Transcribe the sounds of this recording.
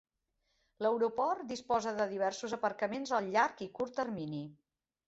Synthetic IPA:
ləwɾupɔɾt̪̚d̪ispɔzəðəðiβ̞ɛɾsuzəpəɾkəmenzəlˠʎaɾkikuɾt̪ːəɾmini

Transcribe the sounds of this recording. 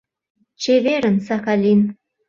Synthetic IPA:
t͡ɕeβeɾə̆nsaxalʲin

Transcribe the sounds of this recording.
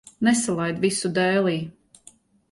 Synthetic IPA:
nɛsalˠajd̪visud̪ɛːlˠiː

